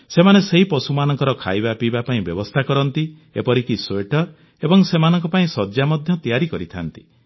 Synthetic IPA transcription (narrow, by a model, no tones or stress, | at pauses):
semaneseɦipɔsumanɔ̃ŋkɔɾɔkʰa̰jbapibapaĩbjɔbɔst̪ʰakɔɾɔnt̪i | epɔɾikiseʈɔɾ | ebɔŋsemanɔŋkɔpaĩsɔd͡ʒamɔd̪ʱjɔt̪ijaɾikɔɾit̪ʰa̰nt̪i̥